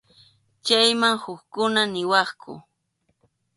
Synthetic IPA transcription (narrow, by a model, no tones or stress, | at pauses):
t͡ʃajmaŋhʊkkʊnanɪwɑχkʰʊ̰